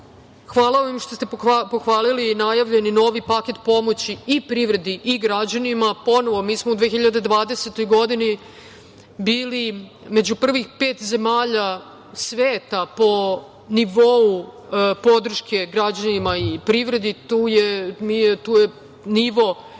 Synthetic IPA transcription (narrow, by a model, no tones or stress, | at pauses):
xʋaːlˠaimʃt̪o̞st̪epoxʋaːlilinajaʋʎe̞nino̞ːʋipake̞t̪po̞mo̞t͡ɕiːpɾiʋɾe̞d̪iʔiɡɾad͡ʑanimapo̞no̞ʋo̞miːsmoud̪ʋeːxiʎad̪ed̪ʋaːd̪eset̪o̞jɡo̞d̪ini | biːli | me̞d͡ʑupr̩ʋixpe̞ːt̪ze̞maːʎa | sʋeːt̪apo̞ | niʋo̞u | po̞d̪r̩ʃkʰe̞ɡɾad͡ʑanimaipɾiʋɾe̞d̪it̪uːjemijt̪uːje | niʋo̞